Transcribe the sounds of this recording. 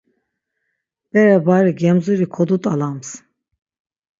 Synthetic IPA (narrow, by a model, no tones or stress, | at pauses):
b̥ɛɾɛbaɾiɡɛmzuɾikʰɔd̪ut̪ʼalams